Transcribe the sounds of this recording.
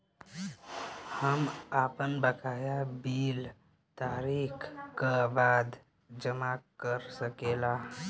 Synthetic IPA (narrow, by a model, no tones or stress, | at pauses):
həmapənbəkʰajabil | t̪aɾikʰkəbad̪ | d͡ʒəmakəɾsəkela